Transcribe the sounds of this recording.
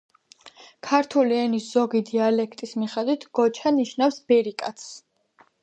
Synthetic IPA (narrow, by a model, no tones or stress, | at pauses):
kʰaɾt̪ʰuliɛnisz̥ɔɡid̪ialɛkʰt̪ʼismiχɛd̪wit̪ʰɡ̥ɔt͡ʃʰaniʃnafsb̥ɛɾikʼat̪s